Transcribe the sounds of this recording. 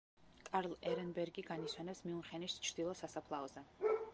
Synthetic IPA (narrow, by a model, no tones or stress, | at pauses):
kʼaɾlˠɛɾɛnbɛɾɡiɡaniswɛnɛpsmiuχɛnist͡ʃʰɾd̪̥ilˠɔsasapʰlˠaɔzɛ